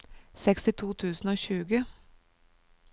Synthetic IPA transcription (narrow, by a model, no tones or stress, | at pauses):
sɛkst̪ɪt̪ʰuːt̪ʰʉːsn̩oːɕʉːɡə